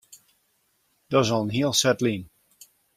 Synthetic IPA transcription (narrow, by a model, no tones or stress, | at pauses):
d̥ɔsɔlˠənɦiəlˠsɛtlin